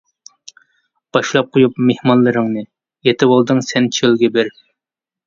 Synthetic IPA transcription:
b̥ɑʃlˠɑp̚qʰojupmehmɑnlˠɨɾɨŋnɨ | jet̪ʰɪwolˠd̪ɨŋsɛnt͡ʃʰølɡʲɛbɪɾ

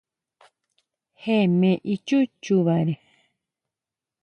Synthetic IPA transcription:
hemẽʔit͡ʃut͡ʃuβaɾe

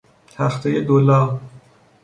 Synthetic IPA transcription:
t̪ʰæxt̪ʰejed̪olɑː

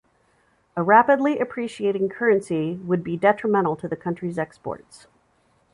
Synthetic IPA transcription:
əɹæpɨdˡliʔɨpʰɹ̥iʃieɪɾɪ̃ŋkʰɜ˞ɨ̃nsiwəd̚bidɛt͡ʃɹ̥əmɛ̃ɾ̃l̩ˠtʰɨðɨkʰʌ̃nt͡ʃɹ̥izɛkspɔ̰ɹts

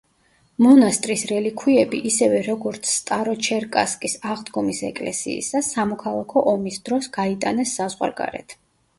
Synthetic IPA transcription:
mɔnast̪ʼɾisɾɛlikʰwiɛbiʔisɛvɛɾɔɡɔɾt̪sʰːt̪ʼaɾɔt͡ʃʰɛɾkʼaskʼisaʁd̪ɡɔmisɛ̰kʼlɛ̰sḭḭsasamɔkʰalˠakʰɔʔɔmisd̪̥ɾɔsɡ̥ait̪ʼanɛsːazʁwa̰ɾɡa̰ɾɛ̰t̪ʰ

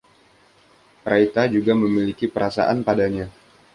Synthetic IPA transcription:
pɾait̪ad͡ʒuɡaməmilikipəɾasa̰ʔanpadaɲa

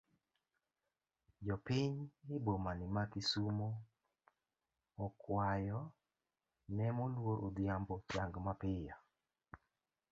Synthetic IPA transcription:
d͡ʒɔpɪɲɪbomanɪmakisumo | kwajɔ | nɛmolwoɾʔod̪jambɔt͡ʃaŋɡmapɪja

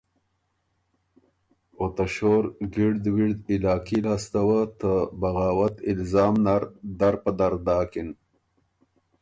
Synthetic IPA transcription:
ot̪ɐɕoɾɡiɽd̪wiɽd̪ilaːkilaːst̪ɐwat̪əbɐɣaːwɐt̪ilzaːmnaɾd̪aɾpəd̪aɾd̪aːkin

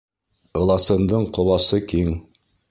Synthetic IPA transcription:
ɤ̆lˠɑsɤ̆nd̪ɤɴqŏlˠɑsɤkiŋ

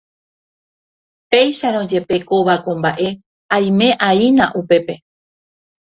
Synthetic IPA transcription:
pe̞jʃaɾ̃õ̞d͡ʒe̞pe̞koβakõmbaʔe̞ | aj̃mẽ̞ʔainãʔupe̞pe̞

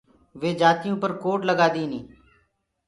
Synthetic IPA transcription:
ʋeːd͡ʒaːt̪ɪjõːpəɾkoːʈləɡaːd̪iːnĩː

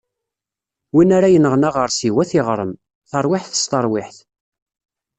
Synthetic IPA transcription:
winaɾajənəʁnaʁəɾˤsiwæθɪʁɾˤəm | θəɾˤwɪħθə̥st̪əɾˤwɪħθ

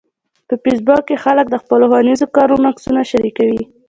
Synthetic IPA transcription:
pəpisbɑkːexalək̚d̪əxpəloxwanizokɑɾunaksunaʃaɾikawi

